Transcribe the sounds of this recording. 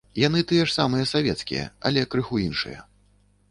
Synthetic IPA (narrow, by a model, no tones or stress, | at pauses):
janɨt̪ɨjɛʂsamɨjɛsavʲɛt̪skʲḭjɛ̰ɐ̰lʲɛkɾɨxuinʂɨ̰jɐ̰